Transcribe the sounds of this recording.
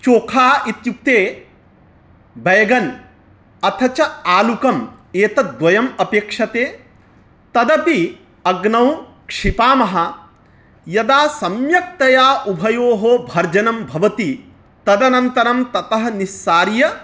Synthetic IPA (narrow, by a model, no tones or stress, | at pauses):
t͡ʃoːkʰaːit̪juk̚t̪eː | bɐjɐɡɐn | ɐt̪ʰɐt͡ʃɐaːlukɐm | eːt̪ɐd̪ʋɐjɐmɐpeːkʂɐt̪eː | t̪ɐd̪ɐpi | ɐɡnɐw | kʂipaːmɐɦɐ̆ | jɐd̪aːsɐmjɐk̚t̪ɐjaːʔubʱɐjoːɦoːbʱɐɾd͡ʒɐnɐmbʱɐʋɐt̪i | t̪ɐd̪ɐnɐnt̪ɐɾɐmt̪ɐt̪ɐɦɐnisːaːɾjɐ